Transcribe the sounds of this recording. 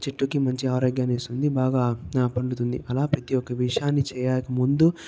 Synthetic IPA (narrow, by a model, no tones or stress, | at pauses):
t͡ʃeʈːukimɐɲt͡ʃiaːɾoːɡjaːneːst̪und̪ibaːɡaːpɐɳɖut̪und̪ḭʔɐlaːpɾɐt̪ijɔkːɐʋiʂjaːnːit͡ʃɛːjaːjɐkɐmund̪u